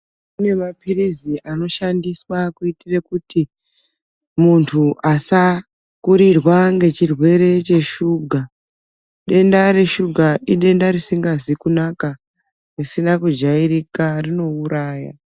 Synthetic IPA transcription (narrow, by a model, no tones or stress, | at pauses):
une̞mapiriziʔano̞ʃandiswakuitirekuti | muntʰuʔasa | kuɾirwaŋɡe̞t͡ʃirwe̞ɾe̞t͡ʃe̞ʃuɡʱa | ɗe̞ndaɾe̞ʃuɡʱaʔiɗe̞ndaɾisiŋɡazikunaka | risinakud͡ʒaiɾikarino̞uɾaːja